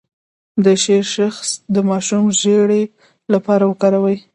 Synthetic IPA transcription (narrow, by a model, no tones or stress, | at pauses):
d̪əʃeɾʃaxsd̪əmɑʃumʒeɽe | lapɑɾawəkɑɾawəj